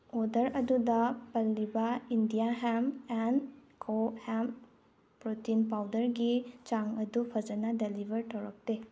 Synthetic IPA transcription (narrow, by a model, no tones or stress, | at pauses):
odɐɾɐdudɐpɐlːibɐindijaɦemenkʰohem | pɾotinpawdɐɾɡit͡ʃaŋɐdupʰɐd͡ʒɐnɐdelibʱɐɾtʰɐwɾɐk̚te